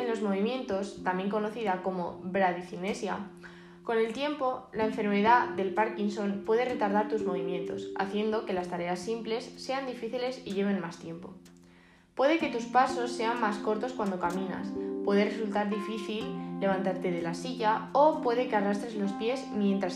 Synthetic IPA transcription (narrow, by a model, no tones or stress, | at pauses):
enlo̞zmo̞β̞imjẽ̞nt̪o̞st̪ambje̞ŋko̞no̞θiðako̞mo̞βɾaðiθine̞sja̰ | ko̞ne̞lt̪je̞mpo̞laeɱfe̞ɾme̞ðaðe̞lpaɾkinso̞npwe̞ðe̞re̞t̪aɾðaɾt̪uzmo̞β̞imjẽ̞nt̪o̞sa̰θje̞nd̪oke̞last̪aɾe̞asːimple̞sːe̞and̪ifiθile̞siʝe̞β̞e̞nmast̪je̞mpo̞̰ | pwe̞ðe̞ke̞t̪uspaso̞sːe̞amːasko̞ɾt̪o̞skwand̪o̞kamĩna̰spwe̞ð̞e̞re̞sult̪aɾðifiθilːe̞β̞ant̪aɾt̪e̞ðe̞lasiʝaopwe̞ðe̞ke̞arast̪ɾe̞zlo̞spje̞zmjẽ̞nt̪ɾa